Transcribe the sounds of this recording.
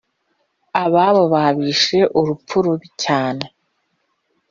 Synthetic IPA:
aβaβoβaβiːʃe̞ʔuɾupuɾuβicaːne

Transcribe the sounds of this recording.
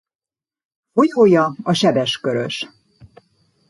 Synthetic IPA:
fo̞joːjɒɒʃɛbɛʃkøɾø̰ʃ

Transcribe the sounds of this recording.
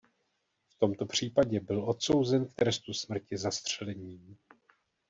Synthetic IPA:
ft̪o̞mt̪o̞pr̝̥iːpaɟɛbɪlʔo̞t̪so̞wzɛnk̚t̪ɾɛst̪usmr̩cɪzast̪r̝̥ɛlɛɲiːm

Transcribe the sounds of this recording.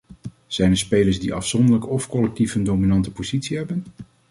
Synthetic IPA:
z̥ɛjnɛɹspejləɹzdiʔɑ̰fsɔndəɹləkɔfkɔlɛk̚tifəndowminɑntəpoz̥itsiɦɛbən

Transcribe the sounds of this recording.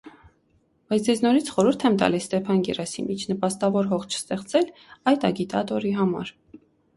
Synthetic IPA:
b̥ɑjt͡sʰd͡zɛznɔɾit͡sʰχɔɾuɾt̪ʰɛmt̪ɑ̰lisːt̪ɛpʰɑnɡɛ̰rɑsḭmit͡ʃʰnəpɑst̪ɑvɔɾɦɔχt͡ʃʰə̥st̪ɛχt͡sɛlɑjt̪ɑ̰ɡit̪ɑt̪ɔɾiɦɑmɑ̰ɾ

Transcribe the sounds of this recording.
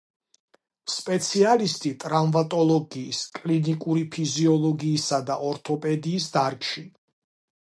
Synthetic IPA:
spʼɛt̪sʰialist̪ʼit̪ʼɾavmat̪ʼɔlˠɔɡiːskʼlinikʼuɾipʰiziɔlˠɔɡiːsad̪aʔɔɾt̪ʰɔpʼɛd̪iːsd̪aɾkʼʃi

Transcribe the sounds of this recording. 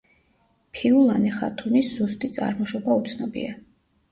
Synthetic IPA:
pʰiulˠanɛχa̰t̪ʰuniszust̪ʼit̪sʼa̰ɾmɔʃɔbaut̪sʰnɔbḭa

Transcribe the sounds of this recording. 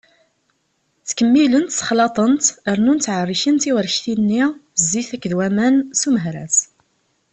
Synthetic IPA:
θkəmːilənt̪sə̥χlɑt̪ˤənt̪əɾnunt̪ːʕərˤːiʃənt̪iwəɾʃθinːizːiθækːðwæmænsuməɦɾæ̰s

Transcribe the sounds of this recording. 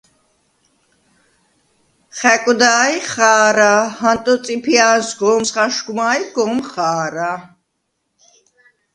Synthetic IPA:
χɛkʼd̪aːjχaːɾahant̪ʼɔt͡sʼipʰiaːnsɡɔːmsχaʃɡumaːjɡ̥ɔːmχaːɾa

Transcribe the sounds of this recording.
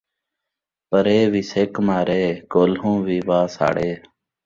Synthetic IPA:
pəɾeːʋiːseːkmaːɾeːkoːlɦõːʋiːʋaːsa̰ːɽeː

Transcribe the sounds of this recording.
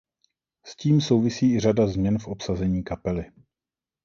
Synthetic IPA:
sciːmso̞wvɪsiːɪr̝adazmɲɛnfʔopsazɛɲiːkapɛlɪ

